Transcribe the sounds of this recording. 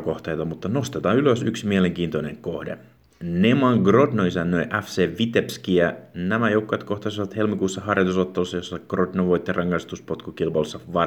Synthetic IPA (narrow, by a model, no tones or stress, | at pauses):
ko̞ht̪ejt̪ɑmut̪ːɑno̞st̪et̪ɑːyløsyksimiele̞ŋk̟iːnt̪o̞ne̞̰ŋkohde̞̰ | nemɑŋɡro̞dnoisænːøjʔæfseːʋit̪epskiænæmæjowkːojɑt̪ko̞ht̪ɑsiʋɑt̪he̞lmikuːsːɑhɑrjot̪uso̞t̪ːelusːɑjo̞sːɑɡ̥ro̞dnoʋo̞jt̪ːerʔɑŋːɑjst̪uspo̞t̪kukilpɑlusːɑʋɑ